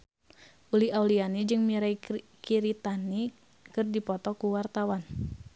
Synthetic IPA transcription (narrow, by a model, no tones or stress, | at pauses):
ʔuliaulianid͡ʒɨŋmiɾai | kiɾit̪ani | kɨrdipɔt̪ɔkuwart̪awan